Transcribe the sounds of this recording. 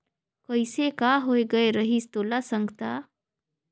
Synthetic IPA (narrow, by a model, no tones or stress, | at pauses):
kəɪsekaɦoeɡəeɾəɦist̪oːlasə̃ŋɡʱt̪a